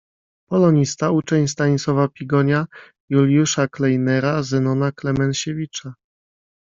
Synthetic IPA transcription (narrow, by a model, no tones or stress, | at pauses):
pɔlɔɲist̪aut͡ʂɛɲst̪aɲt̪sɔvapʲiɡɔɲa | julʲjuʂaklɛjnɛɾazɛnɔnaklɛmɛnɕevʲit͡ʂa